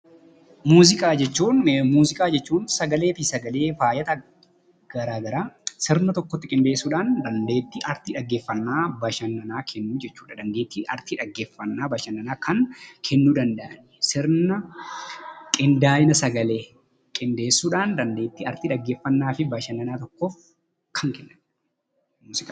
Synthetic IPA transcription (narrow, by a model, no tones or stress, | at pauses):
muːzɪkʼaːd͡ʒɛt͡ʃːuːnmuːzɪkʼaːd͡ʒɛt͡ʃːuːnsɐɡɐle̞ːt̪ɪsɐɡɐle̞ːfaːjɐt̪ɐ | ɡ̥ɐɾaːɡɐɾaːsɪɾnɐt̪ɔkːɔt̪ːɪkʼɪnd̪e̞ːsːuːᶑaːnd̪ɐnd̪e̞ːt̪ːɪʔɐɾt̪iːᶑɐɡːeːfːɐnːaːbɐʃɐnːɐnaːkʰɛnːuːd͡ʒɛt͡ʃːuːᶑɐd̪ɐnd̪eːt̪ːiɐ̰ɾt̪iᶑɐɡːeːfːɐnːaːbɐʃɐnːɐnaːkʰɐŋkʰɛnːuːd̪ɐnd̪ɐʔɐnɪsɪɾnɐ | kʼɪnd̪aːjɪnɐsɐɡɐle̞ː | kʼɪnd̪e̞ːsːuːᶑaːnd̪ɐnd̪e̞ːt̪ːiɐɾt̪iːᶑɐɡːe̞ːfːɐnːaːfɪbɐʃɐnːɐnaːt̪ɔkːɔf | kʰɐŋkɛnːɐn | muːsɪkʼː